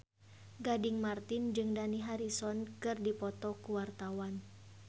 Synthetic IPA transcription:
ɡadɪŋmart̪ɪnd͡ʒɨŋdaniɦaɾisɔnkɨrdipɔt̪ɔkuwart̪awan

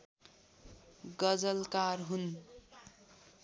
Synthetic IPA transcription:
ɡʌd͡zʌlkarɦun

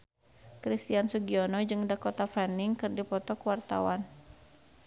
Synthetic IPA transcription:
kɾist̪iansuɡiɔnɔd͡ʒɨŋdakɔt̪afɛniŋkɨrdipɔt̪ɔkuwart̪a̰wan

